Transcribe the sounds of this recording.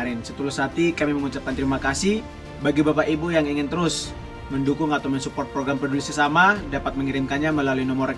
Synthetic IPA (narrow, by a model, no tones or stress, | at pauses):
ɾɪnsət̪ulʊshat̪ikamiməŋut͡ʃap̚kant̪əɾimakasɪh | baɡibapaʔibujaŋiŋɪnt̪əɾʊs | məndukʊŋat̪awmənsupɔrt̪̚pɾoɡɾampərdulɪsəsamadapat̪̚məŋiɾɪmkanɲaməlaluinomoɾ